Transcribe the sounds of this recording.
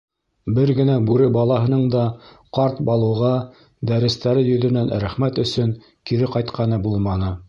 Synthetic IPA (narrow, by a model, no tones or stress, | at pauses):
bɘɾɡɘ̆næbʉɾɘbɑlˠɑɦɤ̆nɤɴd̪ɑ | qɑɾt̪bɑlˠɤ̆wʁɑ | d̪æɾɘ̆st̪æɾɘjɵ̆ðɵ̆nænɾæχmæt̪ɵ̆sɵŋ | kiɾɘqɑjt̪qʰɑnɤbulˠmɑnɤ